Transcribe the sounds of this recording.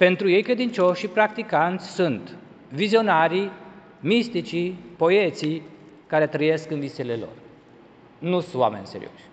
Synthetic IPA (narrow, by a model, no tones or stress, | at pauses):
pe̞nt̪ɾuje̞jkɾe̞d̪int͡ʃo̞ʃːipɾakt̪ikant̪sʲsunt̪ | vizio̞naɾi | mist̪it͡ʃipo̞et̪si | kaɾe̞t̪ɾəje̞skɨnviselelo̞̰r | nuuwa̰menʲsḛɾḭo̞̰ʃʲ